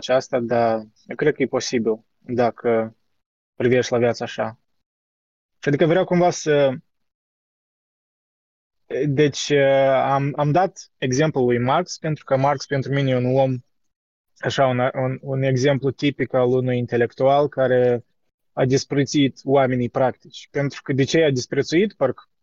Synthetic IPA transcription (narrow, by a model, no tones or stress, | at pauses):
t͡ʃast̪ad̪ajkɾe̞d̪̚kəjepo̞sibil | d̪akʰə | pɾiveʃt̪ʲlavjat̪səaʃa | ʃiad̪ikəvɾeawkumvasə | d̪e̞t͡ʃʲəamamd̪at̪e̞ɡze̞mplulujmarkspe̞nt̪ɾu̥kəmarkspent̪ɾuminʲeunom | aʃaunaunune̞ɡze̞mplut̪ipikalunujint̪e̞le̞kt̪ualkaɾe̞ | ad̪ispɾet̪sit̪owame̞nijpɾakt̪it͡ʃʲpe̞nt̪ɾu̥kəd̪et͡ʃejad̪ispɾet̪suit̪pərk